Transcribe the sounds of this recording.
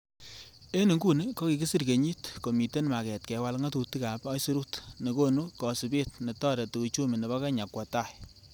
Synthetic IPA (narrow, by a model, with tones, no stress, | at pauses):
e˦ni˨ŋɡu˦ni˦kɔ˦ki˨ki˦si˦ɾke˨ɲi˦tko˨mi˨te˦nma˨kɛ˨tkɛ˨wa˦lŋa˦tu˨ti˦ka˨pɔ˦jsi˦ɾu˦tne˨ko˦nu˦kɔ˨si˨be˦t̚ne˨tɔ˦ɾe˨tu˨ku˨t͡ʃu˦mi˨ne˨βɔ˦kɛ˦ɲa˨kwɔ˨ta˦˨j